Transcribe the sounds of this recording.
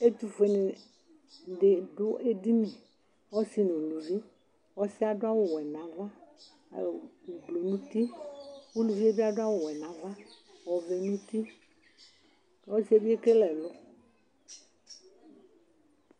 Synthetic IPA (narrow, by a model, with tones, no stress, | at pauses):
e˦t̪u˨fe˨nɪ̃˨ | ɖe˨ɖʊ˦ʔe˦di˦nĩ˨ | wɔ˦si˦nũ˨lu˨vi˦ | wɔ˦si˦a˨ɖʊ˦a˦wʊ˨wɛ˨nã˨va˦˨ | blo˨nũ˦t̪i˦wu˦lu˨vi˦e˦bi˦a˨dʊ˦a˦wʊ˨wɛ˨nã˨va˦ | wɔ˨vɛ˨nũ˦t̪i˦˨˦ | ɔ˦si˦e˦bi˦e˦ke˦lɛ˨lʊ˦